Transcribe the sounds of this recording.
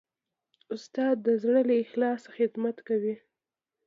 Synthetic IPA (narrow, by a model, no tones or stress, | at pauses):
ʊst̪ɑd̪ːəzɽəlexlɑsxɪd̪mat̪kawi